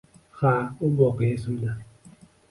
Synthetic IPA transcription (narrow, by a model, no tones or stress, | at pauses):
xaubɔkesuna